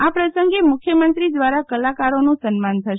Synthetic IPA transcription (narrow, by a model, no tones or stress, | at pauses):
apɾəsəŋɡemʊkʰjəmənt̪ɾid̪ʋaɾakəlakaɾonũsənmant̪ʰəʃ